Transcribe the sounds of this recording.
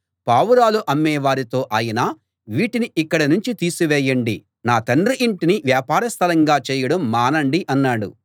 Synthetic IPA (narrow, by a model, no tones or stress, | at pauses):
paːʋuɾaːluʔɐmːɛːʋaːɾit̪o̞ːʔaːjɐnaː | ʋiːʈiniikːɐɽɐnuɲt͡ʃit̪iːsuʋɛːjɐɳɖi | naːt̪ɐnriʔiɳʈiniʋjaːpaːɾɐst̪ʰɐlɐŋɡaːt͡ʃɛːjɐɽɐmːaːnɐɳɖiʔɐnːaːɽṵ